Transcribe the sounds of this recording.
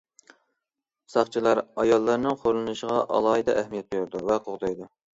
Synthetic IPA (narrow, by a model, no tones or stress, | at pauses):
sɑχt͡ʃʰilˠɑɾɑjɑlˠːɑɾnɨŋχoɾlˠɨnɨʃəʁɑʔɑ̰lˠɑːid̪ɑʔæhmijɛt̪̚bjuɾd̪uvɛqʰoʁd̪ɑjd̪u